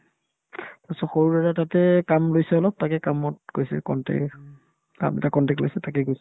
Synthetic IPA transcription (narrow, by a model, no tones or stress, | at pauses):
pasɔxoɹuɹɛtatatɛkamlojsɛɔlɔp̚takɛkamɔt̚ɡ̥ojsɛ̰kɔntɛ̰ | ka̰mɛ̰takɔntɛklojsɛtakɛɡojsɛ